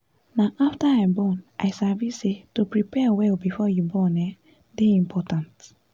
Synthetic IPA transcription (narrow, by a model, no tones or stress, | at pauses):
nãʔaftaãbɔ̃nʔaɪsavisetopɹipʰɛwɛlbifɔjubɔ̃nɛ | deĩmpʰɔtãnt